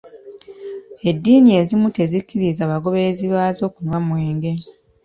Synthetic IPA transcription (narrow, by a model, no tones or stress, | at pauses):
e̞dːiːnie̞ːzimute̞zikːiɾizaːβaɡo̞βe̞ːziβaːzo̞ːkunwamweːŋɡe̞